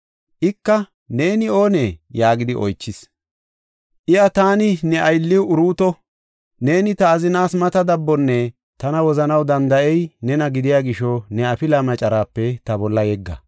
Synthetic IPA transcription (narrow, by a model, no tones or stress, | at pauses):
ʔɪkːɐ | ne̞ːnɪo̞ːnejaːɡɪd̪ɪʔɔjt͡ʃːɪs | ʔɪjɐt̪aːnɪnɛʔɐjlːɪwʊɾuːt̪ɔ | ne̞ːnɪt̪ɐːzɪnaːsmɐt̪ɐd̪ɐbːɔnːɛ | t̪ɐnɐwɔzɐnɐwd̪ɐnd̪ɐʔɛjnɛnɐɡɪd̪ɪjaːɡɪʃɔnɛɐpɪlɐmɐt͡ʃʼɐɾaːpːɛt̪ɐbɔlːɐjɛɡːɐ̰